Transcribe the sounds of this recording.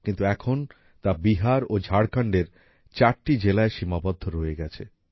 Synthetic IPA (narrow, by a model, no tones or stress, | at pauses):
kint̪uɛkʰon | t̪abiɦaɾod͡ʑʱaɽkaɳɖeɾ | t͡ɕaɾʈid͡ʑelaeʃimabɔd̪ʱːoɾoeɡɛt͡ɕʰe